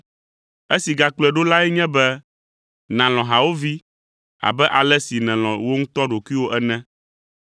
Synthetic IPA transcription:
e˦si˨ɡa˨k͡plɛ˨ɖo˦la˦ɛ˦ɲɛ̃˦bɛ˦ | nã˨l̃ɔ̃˨ɦa˨wo˦vi˦ | a̰˨bɛ˦ʔa˨lɛ˦si˨nɛ̃˨l̃ɔ̃˨wo˦ŋũ˦t̪ɔ˦ɖo˨ki˦wo˦ʔɛ˦nɛ̃˦

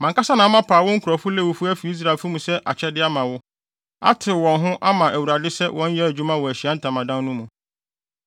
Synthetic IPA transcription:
mã˨ŋka˦sa˦nã˨a˦mã˦pʰaː˨wɔ̃˦ŋ̩˦kʰu˨ɾɔ˨fʊ˦lɛ˦˨wʊ˦fʊ˦æ˦fi˨i˦s̬ɾa˨lfʊ˦mũ˨sɛ˦ʔa˨t͡ɕʰɛ˦dɪ˦a˦mã˨wʊ˦ | a̰˦tʰɪ˨wɔ̃˨nɦʊ̃˦ʔa˦mã˨ʔæ˨wu˨ɾa˨dɪ˦sɛ˦wʔɔ̃˦ɲ̩˦jɛ˦æ˨d͡ʑᶣu˦mã˦wɔ˨æ˨ɕi˨a˦n̩˦tʰã˨mã˨dã˦n˦nũ˦mũ˨

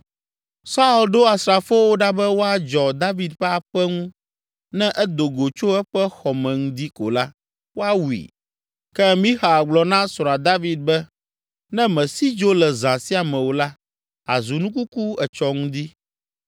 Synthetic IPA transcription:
sa˦u˨lɖo˦a˨sɾa˨fo˦wo˦ɖa˦bɛ˦wo˦a˨d͡ʒɔ˨d̪a˦vi˨d̪ɸɛ˦a˨ɸɛ˦ŋũ˦ | nɛ̃˦ʔɛ˦d̪o˨ɡo˨t͡ʃo˦ɛ˦ɸɛ˦xɔ˨mɛ̃˨ŋũ˦d̪i˦ko̰˨la˦ | wo˦a˦wu˨ḭ˨ | kɛ˦mĩ˦xa˨a˨ɡ͡blɔ˨nã˦sa˨d̪a˦vi˨d̪̚bɛ˦ | nɛ̃˦mɛ̃˨si˦d͡ʒo˦lɛ˨zã˨si˦a˨mɛ̃˨wo˨la˦ | a̰˨zu˨nũ˦ku˦ku˦ɛ˨t͡ʃɔ˦ŋũ˦d̪i˦

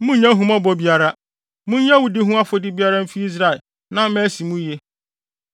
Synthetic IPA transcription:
mũ˦ɲã˦ɦũ˨mã˦bɔ˦bi˦a˦ɾa˦ | mũ˦ɲã˦wu˨dɪ˦ɦũ˦a˦fo˨dɪ˦bi˦a˦ɾa˦m̩˦fi˦i˦s̬ɾa˨ | nã˦mɛ̃˦si˨mũ˦je˦

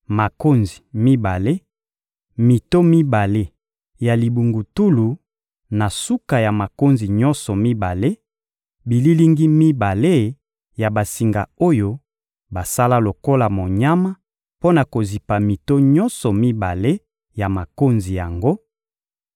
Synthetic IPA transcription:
ma˨ko˦nzi˨mi˦ba˨le˦ | mi˨to˦mi˦ba˨le˦ | ja˨li˨bu˨ŋɡu˨tu˦lu˨ | na˨su˦ka˨ja˨ma˨ko˦nzi˨ɲɔ̃˦nsɔ˨mi˦ba˨le˦ | bi˨li˦li˦ŋɡi˦mi˦ba˨le˦ | ja˨ba˨si˨ŋɡa˨o˦jo˦ | ba˨sa˦la˦lo˨ko˦la˨mo˨ɲa˦ma˦ | po˦na˨ko˨zi˨pa˨mi˨to˦ɲɔ˦nsɔ˨mi˦ba˨le˦ | ja˨ma˨ko˦nzi˨ja˨ŋɡo˦

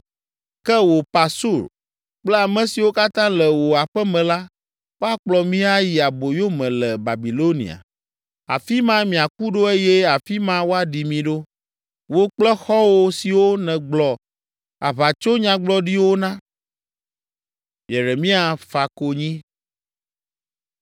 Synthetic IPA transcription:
kɛ˦wo˨pa˨su˦˨ɾ | k͡plɛ˦a˨mɛ̃˨si˨wo˦ka˦t̪ã˦lɛ˨wo˨a˨ɸɛ˦mɛ̃˨la˦ | wo˦a˦k͡plɔ˨mĩ˦a˦ji˨a˨bo˨jo˦mɛ̃˨lɛ˨ba˨bi˨lo˦nḭ˨a̰˨ | a̰˨fi˦mã˦mĩ˨a˨ku˦ɖo˦e˦jɛ˦a˨fi˦mã˦wo˦a˨ɖi˨mĩ˨ɖo˦ | wo˦k͡plɛ˦xɔ˦wo˦si˨wo˦nɛ̃˨ɡ͡blɔ˨ | a̰˨βa˨t͡ʃo˦ɲã˨ɡ͡blɔ˦ɖi˦wo˦nã˦ | je˨ɾe˨mĩ˦a˨fa˨ko˦ɲĩ˦

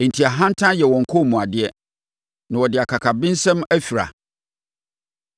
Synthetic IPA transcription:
e˨n̩˨tʰi˨a˨ɦã˦n̩˦tʰã˦jɛ˨wɔ̃˨ŋ̩˨kʰɔ˦˨mũ˨a˨dɪ˦ɛ˦ | nã˨wɔ˨dɪ˨a˨kʰa˨kʰa˨bɪ̃˦n˦sɛ̃˦mæ˦fi˨ɾa̰˨

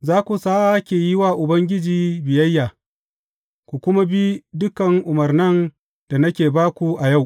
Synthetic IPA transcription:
zaː˦kʷu˨saː˦a˦kʲeː˨jɪ˦waː˦ʔʊ˨bɐ˦ŋɡʲɪ˦d͡ʒiː˨˦bɪ˨jɐ˦jːaː˨ | kʷu˨kʷʊ˦ma˦bi˦dʊ˦kɐ˨ŋʔʊ˨mɐ˨rnɐ˦n | d̥a˨nɐ˦kʲeː˨baː˦kʷu˨ʔa˨ja˦˨w

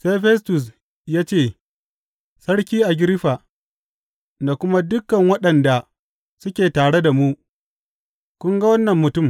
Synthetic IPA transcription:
sa˦jɸɛ˦s̬tʊ˨s̬ | jaː˦t͡ʃeː˦˨ | sɐ˦ɽkʲiː˦ʔa˨ɡʲɪ˦ɾɪ˦ɸa˨ | na˨kʷʊ˦ma˦dʊ˦kːɐ˨ŋwɐ˦ɗɐ˨nda˨ | sʊ˦kʲeː˨taː˨ɽe˦da˨mu˦ʔ | kʷʊ˦ŋɡa˦wɐ˦nːɐ˨mːʊ˨tʊ˦˨m

